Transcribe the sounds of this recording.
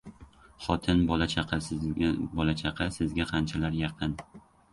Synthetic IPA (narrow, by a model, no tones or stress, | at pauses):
χɒt̪ʰɪnbɒlat͡ʃʰɑqʰɑ | bɒlat͡ʃʰɑqʰɑsɪzɡʲaqʰɑnt͡ʃʰalaɾjɑqʰɨn